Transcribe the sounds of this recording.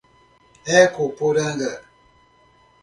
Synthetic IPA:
ɛkopodaŋɡə

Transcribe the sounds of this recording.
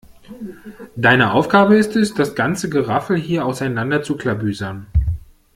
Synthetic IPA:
d̥aɪnəʔaʊfɡ̥aːbəɪstɛsd̥asɡ̥ant͡səɡəʁafl̩ɦiːɐaʊsaɪnandɐt͡sukl̥abyːzɐn

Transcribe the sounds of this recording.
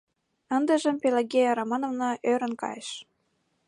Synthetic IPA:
ə̆nd̪ə̆ʒə̆mpeleɡʲejɑɾɑmɑnovnoʔøɾə̆nkɑ̰jeʃ

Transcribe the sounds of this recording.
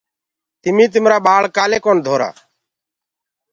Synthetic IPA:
t̪ɪmiːt̪̬ɪmɾaːɓaːɭkaːleːkoːnd̪ʱoːɾa̰ː

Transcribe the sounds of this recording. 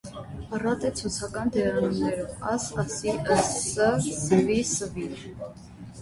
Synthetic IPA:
ɑrɑt̪ɛt͡sʰut͡sʰɑkɑnd̪ɛɾɑnumnɛɾuvɑsɑsiəəsəvisəvin

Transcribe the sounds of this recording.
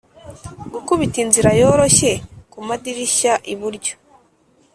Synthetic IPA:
ɡukuβitinziɾajo̞ɾo̞ʃe̞kumadiɾiʃaʔiβuɾɟo

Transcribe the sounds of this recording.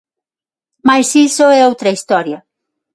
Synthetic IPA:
majsisoɛowt̪ɾɐist̪ɔɾjɐ

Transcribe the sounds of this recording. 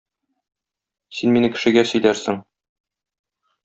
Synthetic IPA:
sinminɘkɘ̥̆ʃɘ̆ɡæsɵ̆jlæɾsɘŋ

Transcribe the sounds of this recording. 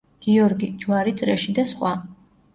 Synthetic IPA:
ɡ̥iɔɾɡid͡ʒwaɾit̪sʼɾɛʃid̪asχwa

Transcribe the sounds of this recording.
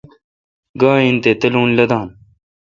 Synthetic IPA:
ɡaːint̪et̪ɐlũːnlɐd̪ãːn

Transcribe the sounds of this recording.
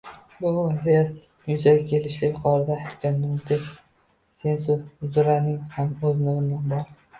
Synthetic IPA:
bʊvazijat̪̚ | jʊzaɡʲakʲʰe̞lɪʃlɪkʲqʰɒɾɪd̪ahɪt̪kʲanːʊmt̪ek | se̞nsozʊɾanɪŋhamɵznɪɾɪmd̪anbɒɾ

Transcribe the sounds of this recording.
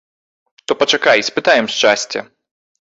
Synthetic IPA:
t̪ɔpɐt͡ʂakajsʲpɨt̪ajɛmʃt͡ʂasʲt͡sʲɐ̰

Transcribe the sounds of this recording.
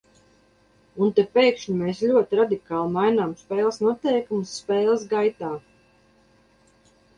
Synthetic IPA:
unt̪ɛpejkʃɲimeːslʲuɔt̪iɾad̪ikaːlˠmajnaːmspɛːlˠəsnuɔt̪ɛjkumusːpɛːlˠsɡajt̪aː

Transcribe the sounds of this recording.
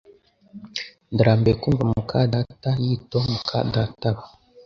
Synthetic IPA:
ndəɾambekumɡamukʰadatajitɔmukʰa̰databa

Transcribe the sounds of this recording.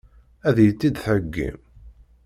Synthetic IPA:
æðjət͡sːid̪θəɡːḭm

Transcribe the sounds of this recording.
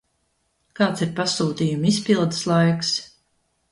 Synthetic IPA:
kaːt̪siɾpasuːt̪iːjumispʲilˠd̪ɨslˠajks

